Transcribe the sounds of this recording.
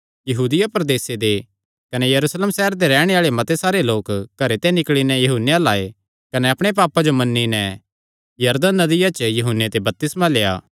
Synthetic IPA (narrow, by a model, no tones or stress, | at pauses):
jɐɦuːd̪ɪjapɾd̪eːsed̪e | kɐnɛjɐɾuːsleːmsɛɦəɾd̪eɾɛːɽ̃eaːɭemɐt̪esaːɾeloːkkːɐɾet̪ɛnɪkɭinɛjɐɦuːnejãlaːe | kɐnɛɐpɽ̃ep̬aːpad͡ʒomɐnːinɛ | jɐɾd̪ənːɐd̪ɪjat͡ʃjɐɦʊnet̪ebɐp̚t̪ɪsmãleːa̰ː